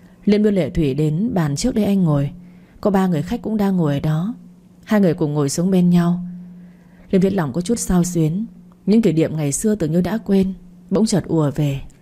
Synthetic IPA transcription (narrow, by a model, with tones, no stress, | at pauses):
lḭ˧ənɓɨ˧əlḛ˧˨t̪ʰwi˧˩ɗe˨˦nɓaː˨˩nt͡ɕɨ˦˥ək̚ɗə˧jʔa˧jŋ̟ŋo˨˩j | kɔ˨˦ɓaː˧ŋɨ˨˩əjxa˦˥k̚kːʊ̰˧˥ŋ͡mɗaː˧ŋŋo˨˩jə˨˩ɗɔ˨˦ | haː˧jŋ˨˩əjkʊ̰˧˩ŋ͡mŋo˨˩jsu˨˦əŋɓe˧nɲa˧w | li˧˨nt̪ʰi˨˦˥la˧˩wŋ͡mkɔ˨˦t͡ɕu˦˥t̚saː˧wswi˨˦ən | ɲɨ̰˧˥ŋt̪ʰi˧˩ɗḭ˧˨əmŋa˨˩jsɨ˧ət̪ɨ˨˩ŋɲɨ˧ɗa̰ː˧˥kwe˧n | ɓə̰˧˥ŋ͡mt͡ɕəː˨˩t̚ʔu˧˩əve˨˩